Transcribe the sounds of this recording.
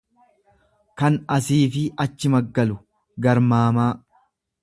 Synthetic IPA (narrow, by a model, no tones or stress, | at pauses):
kɐnɐsiːfɪɐt͡ʃːɪmɐɡːɐlʊ | ɡɐɾmaːmaː